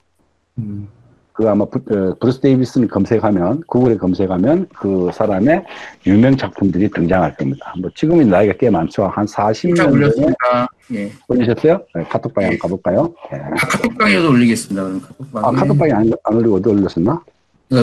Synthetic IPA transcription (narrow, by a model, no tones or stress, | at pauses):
kɯamappuɾɯsʰɯdebis͈ɯnɯɭkʌmsʰe̞kʰhamjʌnkuɡɯɾekʌmsʰe̞kʰhamjʌnkɯsʰaɾame̞jumjʌŋt͡ɕak̚pʰumdɯɾitɯŋd͡ʑaŋɦaɭk͈ʌmɲidamʌt͡ɕiɡɯminaiɡak͈emant͡ɕʰoahansʰaɕʰimɲʌnne | eoʎːiɕ̬ʰʌs͈ʌjoje̞kʰatʰok̚p͈aɡiank͈aboɭk͈ajojetʰatʰok̚p͈aɡiʌdooʎːiɡe̞s͈ɯmɲidakɯɾʌmkʰatʰop͈aakʰatʰop͈aɡiananoɭːiɡʌdioʎːʌs͈ɯnna